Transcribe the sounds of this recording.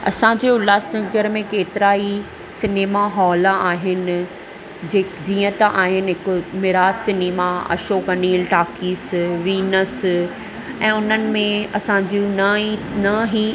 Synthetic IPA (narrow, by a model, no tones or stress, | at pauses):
ɐ̰sãd͡ʑeːʊlaːsd̪ɐ̃ŋɡəɾmẽkeːt̪ɪɾaːi | sɪneːmaɦɔːlaaːɦɪnɪ̆ | d͡ʑeːd͡ʑiːə̃t̪ɐʔaːɦɪnɪɦɪkmɪɾaːtsɪneːmaɐ̰ʃoːkɐniːlʈaːkiːsʋiːnəs | ɛ̃ːʊnənɪ̆mẽɐsãd͡ʑiũnɐinɐɦi